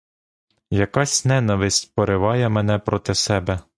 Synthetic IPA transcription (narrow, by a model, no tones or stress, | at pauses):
jɐkɑsʲnɛnɐʋɪsʲt̚ʲpɔɾɪʋɑjɛmɛnɛpɾɔt̪ɪsɛbɛ